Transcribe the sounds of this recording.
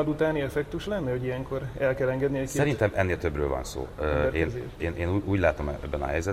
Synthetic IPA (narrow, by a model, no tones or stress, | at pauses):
d̪ut̪aːniɛfɛkt̪uʃlɛnːɛɦo̞ɟijɛŋko̞ɾɛlkɛlɛŋɡɛd̪niɛkisɛɾint̪ɛmɛnːeːlt̪ø̞brø̰ːlvɒ̰nso̰ːøɛɾḛːnzeːʃeːnʔeːnuːuːɟlaːt̪o̞mɛ̰bːɛnɒ̰ɦɛjzɛ